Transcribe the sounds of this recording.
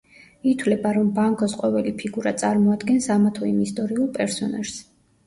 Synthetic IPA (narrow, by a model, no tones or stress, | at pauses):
it̪ʰwlɛbaɾɔmbaŋkʰɔsqʼɔvɛlipʰiɡuɾat̪sʼaɾmɔad̪ɡɛnsamat̪ʰɔimist̪ʼɔɾiulˠpʼɛɾsɔna̰ʒ̥s